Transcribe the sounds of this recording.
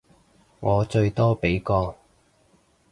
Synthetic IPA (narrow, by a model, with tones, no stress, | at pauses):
ŋɔː˨˧t͡ʃɵ˧ɥt̪ɔː˥pe˨˥jkɔː˧